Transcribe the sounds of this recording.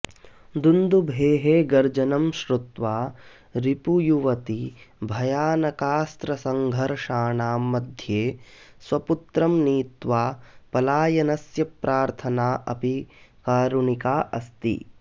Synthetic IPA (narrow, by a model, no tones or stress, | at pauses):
d̪und̪ubʱeːɦeːɡɐɾd͡ʒɐnɐmʃɾut̪ʋaː | ɾipujuʋɐt̪ibʱɐjaːnɐkaːst̪ɾɐsɐŋɡʱɐɾʂaːɳaːmːɐd̪ʱjeː | sʋɐput̪ɾɐmniːt̪ʋaːpɐlaːjɐnɐsjɐpɾʔaːɾt̪ʰɐnaːʔɐ̰pikaːɾuɳikaːʔɐst̪ḭ